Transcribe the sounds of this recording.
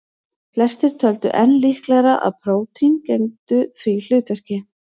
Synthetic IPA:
flɛst̪ɪɾ̥t̪ʰœlt̪ʏ̰ʔɛnːlihklɛɣɾaʔa̰ðpʰɾoːwt̪ʰincɛnt̪ʏθvil̥ʏːt̪vœr̥cɪ

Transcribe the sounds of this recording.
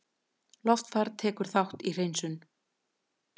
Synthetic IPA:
lɔft̪faɾt̪ʰɛːkʏɾ̥θawht̪ir̥eːjnsʏn

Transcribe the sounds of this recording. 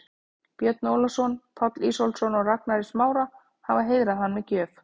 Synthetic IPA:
pjɛt̪nowlasɔnpʰɔt̪liːsowlsɔnɔɣraknaɾɪsmaːwɾa | havaɦeːjðɾaðɦanːmɛcœːf

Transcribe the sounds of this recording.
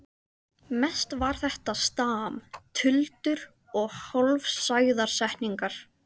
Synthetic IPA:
mɛst̪vaɾ̥θɛht̪ast̪aːmt̪ʰʏlt̪ʏɾ | ɔɣhɔlvsaːjðaɾ̥sɛhniŋkaɾ̥

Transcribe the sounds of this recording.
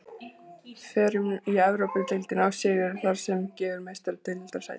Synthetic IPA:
fɛːɾʏmiɛvɾowpɪnt̪ejlt̪ɪnawsɪːɣʏɾθaɾ̥sɛmcɛːvʏɾmejst̪aɾt̪ʰeɥnɪlt̪aɾsa̰j

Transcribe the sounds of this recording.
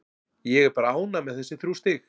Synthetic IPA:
jɛɣɛɾpɾaːwnamɛðθɛsːɪθɾuːst̪ɪx

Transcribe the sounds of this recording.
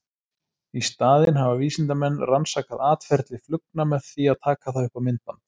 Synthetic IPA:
ist̪aːðɪnɦavaviːsɪnt̪amɛnːransaːkaðaːt̪fɛɾt̪lɪflʏknamɛðθiaðt̪ʰaːkaθaðʏhpamɪnt̪ant̪

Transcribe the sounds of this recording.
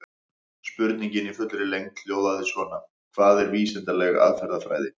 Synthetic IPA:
spʏɾt̪niɲcɪnifʏt̪lɾɪlejŋt̪ljoːwðaðɪsvɔːna | kʰvaːðɛɾviːsɪnt̪alɛɣaa̰ðfɛɾðafɾa̰ːjðɪ

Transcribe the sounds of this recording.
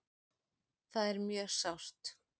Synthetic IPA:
θaðɛɾmjœːsawr̥t̪

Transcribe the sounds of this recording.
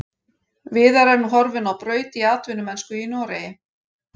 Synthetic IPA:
vɪːðaɾɛɾnuɦɔɾvɪnawpɾœːɥt̪iaːt̪vʏnʏmɛnskʏinːɾejɪ

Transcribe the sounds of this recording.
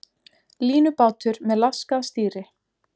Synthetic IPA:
liːnʏpaːwt̪ʏɾmɛðlaskast̪iːɾɪ

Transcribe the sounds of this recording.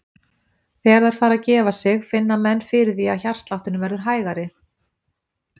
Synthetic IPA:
θɛːɾðaɾ̥faːɾaðcɛːvasɪɣfɪnːamɛnːfɪɾɪθiaçar̥t̪laht̪ʏnʏmvɛɾðʏɾ̥ɦaːjɣaɾɪ

